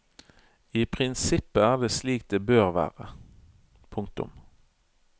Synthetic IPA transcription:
iːpʰʁɪnsɪpːəæːʁd̪eːsliːk̚t̪̚d̪eːbøːʁʋæ̰ːʁə̰ | pʰʊŋk̚t̪ʊ̰m

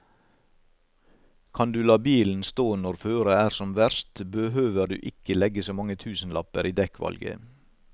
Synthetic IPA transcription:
kʰɑnd̪ʉːlɑːbiːln̩st̪oːnɔɾføːɾəæːɾsɔmʋæɾst̪bəɦøːʋəɾd̪ʉ̰ːʔɪkəlɛɡəsoːmɑŋət̪ʰʉːsn̩lɑpəɾiːd̪ɛkʋɑ̰lɡə̰

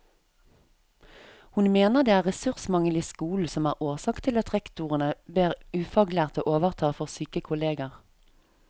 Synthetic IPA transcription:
hʊnmeːnəʁd̪eːæːʁɛsʉʁsmɑŋəlɪskuːl̩sɔmæːʁʔoːʁsɑːkt̪ʰɪlɑt̪ʁɛkt̪uʁənəbeːʁʉːfɑɡlæːʁt̪o̰ːʔoːʋəʁt̪ʰɑːfɔʁsyːkəkʰʊleːɡəʁ

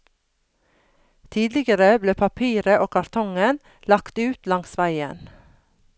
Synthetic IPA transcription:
t̪ʰiːd̪lɪɡəɾəbleːpʰɑpʰiːɾəʔoːkʰɑɾt̪ʰɔŋən | lɑkt̪ʉːt̪lɑŋsʋæɪə̰n

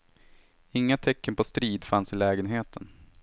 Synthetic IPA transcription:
ɪŋːat̪ʰɛkːənpʰɔst̪ɾiːd̪fansɪlɛːɡənɦeːt̪ʰən

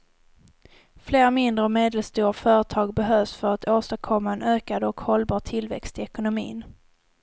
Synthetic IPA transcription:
fleːɾmɪnd̪ɾəɔmeːd̪əlst̪uːɾfœːɾət̪ʰɑːɡ̚bɛɦøːvsfœɾat̪ʰoːst̪əɾkʰɔmːaɛnøːkad̪ɔkhɔlbɑːʈ̪ʰɪlvɛ̰kst̪ɪɛkʊnʊmḭːn

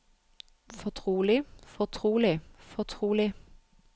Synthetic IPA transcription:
fɔt̪ʰʁuːlɪfɔt̪ʰʁuːlɪfɔt̪ʰʁuːlɪ

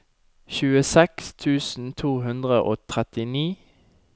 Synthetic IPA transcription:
çʉːəsɛkst̪ʰʉːsn̩t̪ʰuːɦʉnd̪ʁəʔo̰ːt̪ʰʁɛt̪ɪniː

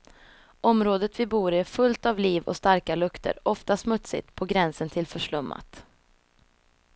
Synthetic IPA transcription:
ʔɔmɾoːd̪ət̪vɪbuːɾæfɵlt̪avliːvɔ̰st̪aɾkalɵkt̪ʰə̰ɾʔɔft̪asmɵt̪sɪ̰t̪pʰɔɡɾɛnsənt̪ʰɪlfœʂɭɵmːa̰t̪

